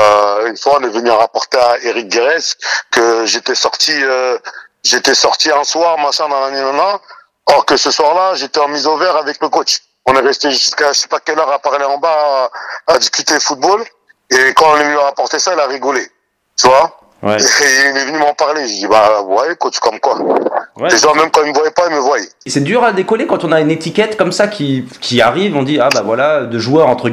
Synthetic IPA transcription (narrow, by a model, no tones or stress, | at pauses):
øynfwaɔ̃nɛvənyɑ̃ʁapɔʁt̪eaeʁik̚ɡeʁɛskəʒet̪ɛsɔʁt̪iø | ʒet̪ɛsɔʁt̪iɛ̃swaʁmaʃɛ̃d̪ɑ̃lanenãna | ɔʁkəsəswaʁlaʒet̪ɛɑ̃mizovɛʁavɛkləkot͡ʃ | ɔ̃nɛʁɛst̪eʒʒyskaʒəsɛ̥pakʲɛlœʁapaʁleɑ̃baː | d̪iskʲyt̪efut̪̚bol | ekɑ̃ɔ̃nɛvnyʁapɔʁt̪esailaʁiɡɔle | t̪yvwa | wɛ̰eiilɛvənymɑ̃paʁleʒed̪ibavwajɛkot͡ʃkɔmkwawɛeʒãmɛmkɑ̃ilməvwajɛpailməvwajɛ | sɛd̪yʁad̪ekɔlekɑ̃t̪ɔ̃naynet̪ikʲɛt̪kɔmsakʲikʲʰiaʁivɔ̃d̪iabavwalad̪əʒuœʁɑ̃t̪χəɡ